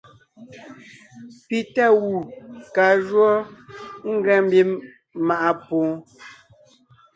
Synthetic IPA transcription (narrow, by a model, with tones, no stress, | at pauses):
pi˦ta˦˨wu˨ka˨ʒwɔ˦ŋ̩˦ɡɛ˨˦m̩˦bi˦m | ma˨ʔa˦põː˨˦